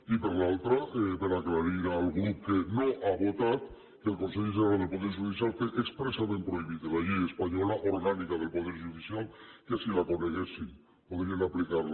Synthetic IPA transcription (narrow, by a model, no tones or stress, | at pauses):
ipeɾlalt̪ɾaʔepeɾaklaɾiɾalɣɾup̚kenoʔaβot̪at̪ | kelkonseʎes̬enald̪elpoðeɾʒuðis̬jalfweʔekspɾesamẽmpɾoiβiðelaʎejespaɲolaʔoɾɣanikað̞elpoðeɾʒuðisialˠkesilaponeɣesi | poðɾienaplikaɾl